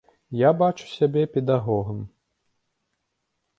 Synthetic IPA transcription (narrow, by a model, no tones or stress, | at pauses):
jabat͡ʂu̥sʲabʲɛpʲɛd̪aɣɔɣɐm